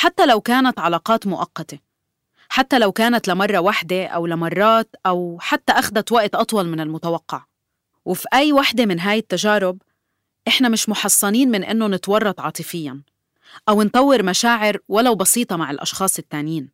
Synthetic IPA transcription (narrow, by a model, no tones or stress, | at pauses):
ħat̪ːalawkaːnat̪ʕɑlaːqɑːt̪mʊʔɑqːɑt̪e | ħat̪ːalawkaːnat̪lamɑrˤːɑwaħd̪eʔa̰wlamɑrˤːɑːt̪ʔawħat̪ːaʔaxd̪at̪waʔt̪ʔɑt̪ˤwɑlmɪnɪlmʊt̪awɑqːɑʕ | wɪfiʔajːwaħd̪emɪnɦaːjɪt̪ːaʒaːɾʊb | ʔɪħnamɪʃmʊħɑsˤːɑniːnmɪnʔɪ̰nːonɪt̪wɑrˤːɑt̪ˤʕɑːt̪ˤɨfɪjːan | ʔawɪnt̪ˤɑwːɪɾmaʃaːʕɪɾwalawbɑsiːt̪ˤɑmaʕɪlʔɑ̰ʃxɑːsˤɪt̪ːaːnjiːn